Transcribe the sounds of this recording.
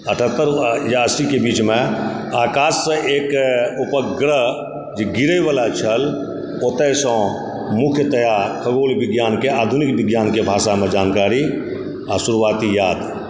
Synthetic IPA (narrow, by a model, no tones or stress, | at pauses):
əʈʰət̪ːəɾjaəsikebiːt͡ʃmẽ | aːkaːsːə̃ʔeːkupəɡɾə | d͡ʒeɡiɾəjʋalat͡ʃʰəl | ot̪əsɔ̃ | mʊkʰjət̪əjakʰəɡoːlbɪɡjaːnkeaːd̪ʱunikbɪɡjaːnkebʱaːsamed͡ʒaːnkaːɾi | asuɾuʋaːt̪ijaːd̪